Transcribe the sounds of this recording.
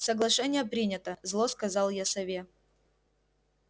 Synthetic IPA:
səɡlˠɐʂɛnʲɪjəpɾʲinʲɪt̪əzlˠoskɐzɑlˠjasɐvʲe

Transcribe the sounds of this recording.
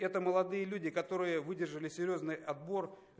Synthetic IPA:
ɛt̪əməlˠɐd̪ɨjəlʲudʲɪkɐt̪o̞ɾɨjəvɨdʲɪrʐɨlʲɪsʲɪɾʲjo̞znɨjɐd̪̚bo̞r

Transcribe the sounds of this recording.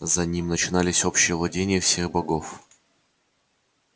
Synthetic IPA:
zɐnʲimnət͡ɕɪn̪alʲɪsʲo̞pɕːɪjəvlˠɐdʲenʲɪjəfsʲexbɐɡof

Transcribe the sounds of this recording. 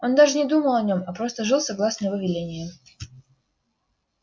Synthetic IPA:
o̞nd̪aʐɨnʲɪd̪uməlˠɐnʲo̞mɐpɾo̞st̪əʐɨlˠsɐɡlˠasnəjɪvovʲɪlʲenʲɪjɪ

